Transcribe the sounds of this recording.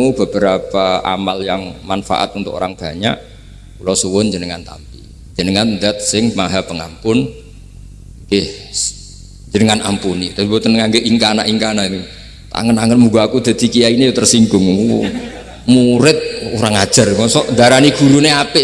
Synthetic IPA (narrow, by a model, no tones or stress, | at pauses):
ub̥ə̤b̥əɾapaa̰maljaŋmanfa̰ʔa̰t̪unt̪ʊ̰ko̰ɾaŋb̥a̤ɲa̰ʔ | kulɔsuwʊnd͡ʒənəŋant̪a̰mpḭ | d͡ʒ̥ənəŋand̪a̤t̪̚sɪŋmaɦapəŋampʊn | ŋɡɪh | ɲd͡ʒənəŋana̰mpunit̪aibot̪ənəŋaŋɡeʔiŋkanaʔiŋkanak | t̪a̰ŋənaŋənmuɡaːkud̪̥a̤d̪̥i̤kijainejot̪ərsiŋɡʊŋu | muɾɪt̪̚uɾaŋḁʒ̥a̤rŋɔsɔʔd̪aɾaniɡ̥ṳɾuneapɪ